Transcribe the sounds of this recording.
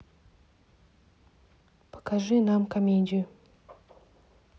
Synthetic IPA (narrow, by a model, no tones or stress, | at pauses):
pḁkʰaʐynamkameɲd͡ʑy